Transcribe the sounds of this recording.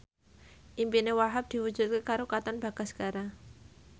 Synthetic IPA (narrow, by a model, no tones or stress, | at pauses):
ʔimpinewaɦap̚d̪̥i̤wud̥ʒ̥ṳt̪̚kekaɾokat̪anb̥aɡ̥a̤skaɾa